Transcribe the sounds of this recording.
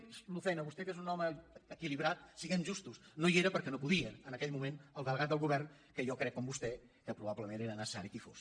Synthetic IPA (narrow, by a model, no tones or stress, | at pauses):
lufɛjnəβust̪ɛkezunɔməəkiliβɾat̪̚siɣɛnʒust̪usnoieɾəpəɾkɛnopuðiəːnəkɛʎmumenəlˠðəlˠɣat̪̚d̪əlˠɣuβɛrn | kəjɔkɾɛkːɔmbust̪ɛ | kəpɾuβaβləmeneɾənəsə̥saɾikifo̰s